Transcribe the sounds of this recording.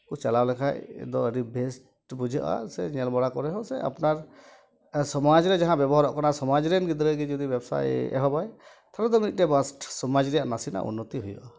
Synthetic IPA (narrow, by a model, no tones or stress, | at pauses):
kut͡ʃalawlɛkʰaj̰d̪ɔəɾibʱɛsʈ | bud͡ʒʱaʔa̰sɛ̰ɲɛlbɔɽakɔɾɛɦɔsɛ̰a̰pnaɾ | sɔmad͡ʒɾɛd͡ʒaɦãbɛbɔɦaɾɔʔkanasɔmad͡ʒɾɛnɡid̪ɾəɡid͡ʒɔd̪ibjɛbsa̰jɛ̰ɦɔbaj | t̪ʰaɾɔd̪ɔmnit̪̚ʈɛbasʈsɔmad͡ʒɾɛjaʔnasina̰ʔṵnːɔt̪iɦujɔ̰ʔa